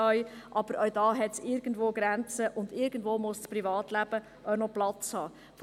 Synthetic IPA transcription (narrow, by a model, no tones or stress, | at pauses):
œʏʔɑb̥əɾʔœwd̥ɑːɦɛtsɪɾɡən̩dʋoːɡ̥ɾænt͡səʔʊnd̪ɪɾɡ̥ən̩dvoːmʊst͡spɾivɑːtlæb̥ə | ʔœnɔplɑt͡shɑː | f